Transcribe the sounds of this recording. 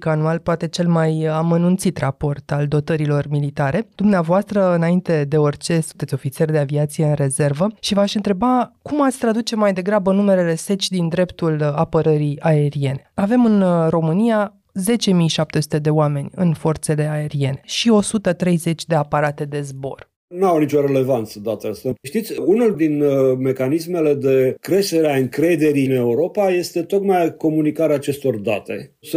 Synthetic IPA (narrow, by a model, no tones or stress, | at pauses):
kanualpoat̪e̞t͡ʃe̞lmajamənunt̪sit̪rapo̞rt̪ald̪o̞t̪əɾilo̞rmilit̪aɾe̞d̪̥umneavoast̪ɾəɨnaint̪e̞d̪e̞o̞rʲt͡ʃe̞sunt̪e̞t̪sʲo̞fit̪serʲd̪e̞aviat̪sije̞ɨnre̞ze̞rvəʃivaʃɨnt̪ɾe̞bakumat̪sʲt̪ɾad̪ut͡ʃe̞majd̪e̞ɡɾabənume̞ɾele̞se̞t͡ʃʲd̪ind̪ɾe̞pt̪ulapəɾəɾiae̞ɾie̞ne̞ave̞mɨnro̞mɨnija | ze̞t͡ʃe̞mijʃap̚t̪e̞su̥t̪ed̪e̞oame̞nʲɨnfo̞rt̪se̞le̞ae̞ɾie̞ne̞ʃio̞sut̪ət̪ɾe̞jze̞t͡ʃʲd̪e̞apaɾat̪e̞d̪e̞zbo̞̰r | nuawnit͡ʃo̞ɾe̞le̞vant̪səd̪at̪east̪aʃt̪it̪sʲunuld̪inme̞kanisme̞le̞d̪e̞kɾe̞ʃt̪e̞ɾeaɨŋkɾe̞d̪e̞ɾine̞uɾo̞paje̞st̪e̞t̪o̞kmajko̞munikaɾeaːt͡ʃe̞st̪o̞rd̪at̪e̞̰ | s